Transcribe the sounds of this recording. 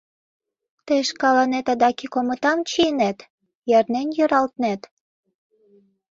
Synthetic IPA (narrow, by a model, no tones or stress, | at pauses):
t̪əjʃkɑlɑnet̪ɑd̪ɑkikomə̆t̪ɑmt͡ɕiənet̪ | jærnenjøɾɑlt̪net̪